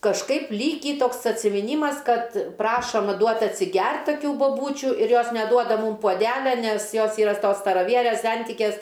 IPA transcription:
kɐʃˈkɐɪp ˈlʲiːkʲiː ˈtoːks ɐtʲsʲɪmʲɪˈnʲiːmɐs ˈkɐt ˈprɑːʃoːm ˈduɔt ɐtʲsʲɪˈɡʲɛrt tɐˈkʲuː boːˈbuːt͡ʃʲʊ ɪr ˈjoːs nʲɛˈduɔdɐ ˈmuːm puɔˈdʲæːlʲɛ nʲɛs ˈjoːs ˈiːrɐ s ˈtoːs stɐrɐˈʋʲiɛrʲeːs ˈsʲɛnʲtʲɪkʲeːs

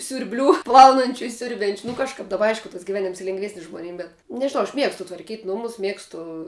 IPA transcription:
sʲʊrʲˈbʲlʲuː ˈplˠɐʊnɐnʲt͡ʃʲʊ ɪ ˈsʲʊrʲbʲɛnʲt͡ʃʲʊ nʊ kɐʃˈkɐp dɐˈbɐ ˈɐɪʃkʊ tɐs ɡʲɪˈʋʲæːnʲɪms lʲeːŋɡˈʋʲæːsʲnʲɪs ʒmoːˈnʲɪm bʲɛt nʲɛʒʲɪˈnɐʊ ɐʃ ˈmʲiɛkstʊ tʋɐrʲˈkʲiːtʲ ˈnʊmʊs ˈmʲiɛkstʊ

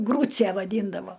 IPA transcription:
ˈɡruːt͡sʲɛ ʋɐˈdʲiːndɐʋoː

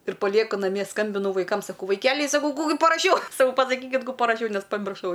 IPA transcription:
ɪr pɐˈlʲiɛkʊ nɐˈmʲiɛ ˈskɐmʲbʲɪnʊ ʋɐɪˈkɐm sɐˈkɐʊ ʋɐɪˈkʲæːlʲɛɪ sɐˈkɐʊ ˈkuː ɡʲɪ pɐrɐˈʃʲɛʊ sɐˈkɐʊ pɐsɐˈkʲiːkʲɪt ˈkuː pɐrɐˈʃʲɛʊ ˈnʲɛs pɐmʲɪrˈʃɐʊ

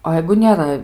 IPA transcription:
oː ˈjɛɪɡʊ nʲeːˈrɐ

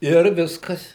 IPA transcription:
ˈɪr ˈʋʲɪskɐs

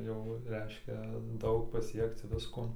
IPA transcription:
jɛʊ ˈrʲɛɪʃʲkʲɛ ˈdɐʊk pɐˈsʲiɛkt͡s ˈʋʲɪskoː

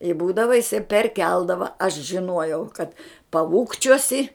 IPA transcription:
ɪ ˈbuːdɐʋɐ jɪˈsɐɪ pʲɛrʲˈkʲɛlˠdɐʋɐ ɐʃ ʒʲɪˈnuɔjɛʊ kɐt pɐˈuːkt͡ʃʲuɔsʲɪ

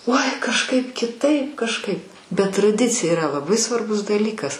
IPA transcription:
uɔɪ kɐʃˈkɐɪp kʲɪˈtɐɪp kɐʃˈkɐɪp bʲɛt trɐˈdʲɪt͡sʲɪjɛ ɪˈrɐ lˠɐˈbɐɪ sʋɐrˈbʊs dɐˈlʲiːkɐs

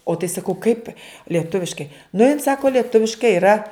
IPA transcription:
oː tɐɪ sɐˈkɐʊ kɐɪp lʲiɛˈtʊʋʲɪʃkɐɪ nʊ jɪn ˈsɑːkoː lʲiɛˈtʊʋʲɪʃkɐɪ iːˈrɐ

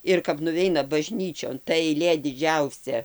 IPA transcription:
ɪr kɐp nʊˈʋʲɛɪnɐ bɐˈʒʲnʲiːt͡ʃʲoːn tɐ ɛɪˈlʲeː dʲɪˈd͡ʒʲɛʊsʲɛ

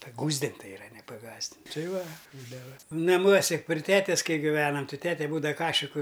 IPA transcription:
pɐˈɡuːzʲdʲɪnʲtʲ tɐɪ ɪˈrɐ nʲɛ pɐˈɡɑːzʲdʲɪnʲ ˈtɐɪ ˈʋɐ ˈbuːdɐʋɐ nɐˈmuɔsʲɛ pʲrʲɪ ˈtʲæːtʲɛs ˈkɐɪ ɡʲɪˈʋʲæːnɐm ˈtʲɪ tʲɛtʲɛ ˈbuːdɐʋɐ ˈkɑːʃʲɪkʊ

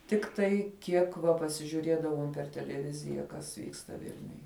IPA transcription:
ˈtʲɪktɐɪ ˈkʲiɛk ʋɐ pɐsʲɪʒʲʊˈrʲiɛdɐʋoːm pʲɛr tʲɛlʲɛˈʋʲɪzʲɪjɛ kɐs ˈʋʲiːkstɐ ˈʋʲɪlʲnʲʊj

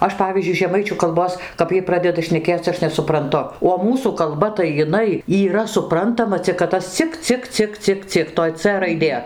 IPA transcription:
ˈɐʃ ˈpɑːʋʲiːzʲd͡ʒʲʊɪ ʒʲɛˈmɐɪt͡ʃʲuː kɐlˠˈboːs kɐp ˈjiɛj ˈprɑːdʲɛdɐ ʃʲnʲɛˈkʲeːt͡s ˈɐʃ nʲɛsʊprɐnˈtʊ oː ˈmuːsuː kɐlˠˈbɐ tɐɪ jɪˈnɐɪ iːˈrɐ sʊˈprɐntɐmɐ t͡sʲɪk kɐt ˈtɐs ˈt͡sʲɪk ˈt͡sʲɪk ˈt͡sʲɪk ˈt͡sʲɪk ˈt͡sʲɪk toːj ˈt͡sʲeː rɐɪˈdʲeː

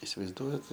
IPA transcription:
ɪsʲɪʋɐɪzˈduɔjɛt

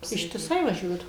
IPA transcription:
ɪʃʲtʲɪˈsɐɪ ʋɐˈʒʲuɔdɐʋoːm

